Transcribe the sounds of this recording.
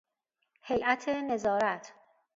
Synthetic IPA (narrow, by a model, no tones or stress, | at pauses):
hejʔæt̪ʰene̞zɒːɾæt̪ʰ